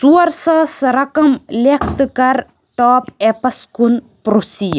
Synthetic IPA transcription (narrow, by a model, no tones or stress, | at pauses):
suɐɾsɐːsɾɐkɐmlekʰt̪kɐɾ | ʈɔːpepɐskun | pɾusiː